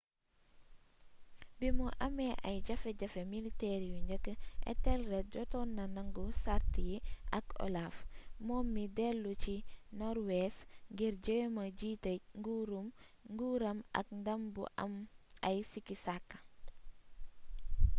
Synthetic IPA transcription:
bimuʔɐmeʔa̰jɟɐfeɟɐfemiliteɾijuɲɟəkːʔḛtɛlɾet̚ɟɔtɔnːɐnaŋɡusaɾtijiʔɐko̰lafmɔːmːidelːut͡ʃinɔɾwesŋɡiɾɟəjmɐɟiːteŋɡuɾum | ŋɡuɾɐmʔɐ̰kndɐmbṵʔa̰mɐjsikisakː

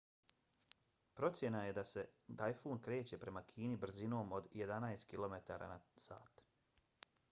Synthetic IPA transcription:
pɾo̞t̪sje̞naje̞d̪ase̞d̪ajfoːnkɾe̞ːt͡ɕe̞pɾe̞makʰiːnibr̩zino̞ːmo̞d̪jed̪anajst̪̚kilˠo̞met̪aːɾa̰ːnasa̰ːt̪

